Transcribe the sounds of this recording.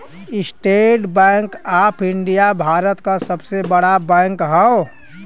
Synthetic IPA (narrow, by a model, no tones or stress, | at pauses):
ɪsʈeːʈbɛ̃ːŋkaːpʰɪɳɖijabʱaːɾət̪kasəbsebəɽabɛ̃ːŋkɦəo